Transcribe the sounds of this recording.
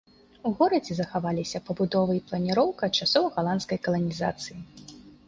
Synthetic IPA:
uɣɔɾɐd͡zʲɛzɐxavalʲisʲɐpɐbud̪ɔvɨiplˠɐnʲiɾɔwkɐt͡ʂasɔvɐɣalˠant̪skɐjkɐlˠɐnʲiza̰t̪sɨji

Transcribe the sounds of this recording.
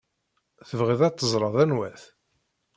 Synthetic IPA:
θəvʁiðɑt̪ːəzˤɾˤɑðˤænwæθ

